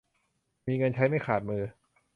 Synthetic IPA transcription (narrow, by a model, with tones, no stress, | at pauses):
miː˧ŋɤ˧nt͡ɕʰa˦˥jma˥˩jxʰaː˨˩t̪̚mɯː˧